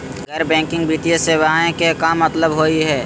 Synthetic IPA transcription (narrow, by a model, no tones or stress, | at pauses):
ɡɛːɾbɛ̃ːŋkɪ̃ŋɡbɾit̪ieseːwaːẽkekamɐt̪ləbɦoːiɦɛː